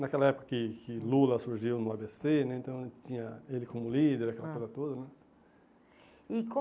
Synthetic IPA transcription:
nakɛlɐɛpʊ̥kɐkɪkɪlulɐsuɾʒiwnũabesenɛẽt̪ɐ̃w̃t͡ʃĩɲɐelɪkʰõmʊlid̪eɾakɛlɐkojzɐt̪od̪ɐnɛ | ikõ

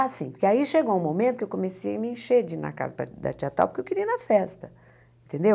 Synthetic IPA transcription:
asĩpʊɾkeaiʃeɡowũmomẽt̪ʊkewkõmesiɐmɪĩʃed͡ʒinɐ̰ka̰zɐpɾɐ̰d̪a̰t͡ʃiat̪ɾa̰wpʊɾkewkɪɾiɐnɐfɛst̪ɐ | ẽnt̪ẽnd̪e

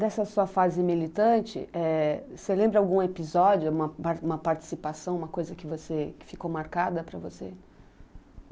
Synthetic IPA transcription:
d̪ɛsɐsuɐfazɪmilit̪ɐ̃t͡ʃɪ̰ʔɛselẽmbɾɐawɡũepizɔd͡ʒjʊũmɐaɾũmɐpaɾt͡ʃi̥sipasɐ̃w̃umɐkojzɐkɪvosekɪ̥fikowmaɾkad̪ɐpɾɐvose

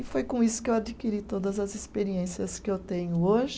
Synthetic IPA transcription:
ɪfojkõisʊ̥kɪewad͡ʒikiɾit̪od̪ɐzɐzespeɾiẽsiɐskɪewt̪ẽɲʊoʒɪ

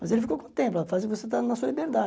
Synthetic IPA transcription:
mɐzelɪfikowkõt̪ẽplafazvoset̪anɐsuɐlibeɾd̪a

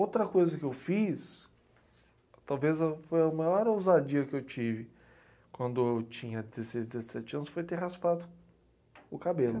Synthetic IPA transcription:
owt̪ɾɐkojzɐkɪewfis | t̪awvezafojɐʊmajɔɾowzad͡ʒiɐkɪewt͡ʃivɪ | kwɐ̃nd̪ʊewt͡ʃĩɲɐd͡ʒɪzesejzd̪d͡ʒɪzesɛt͡ʃɪɐ̃nʊsfojt̪eɦaspad̪ʊ | ʊkabelʊ

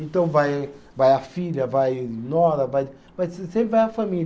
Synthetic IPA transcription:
ẽnt̪ɐ̃w̃vaj | vajafiʎɐvajnɔɾɐvaj | vajssẽpɾɪvajɐfami

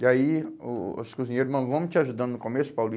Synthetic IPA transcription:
iaiʊskuzĩɲejɾʊmɐ̃vɐ̃w̃t͡ʃɪaʒud̪ɐ̃nd̪ʊnʊkõmesʊ̥pawli

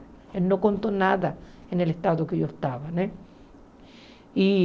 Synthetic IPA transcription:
elnokont̪onaða | enelest̪aðokeʝoest̪aβane | i

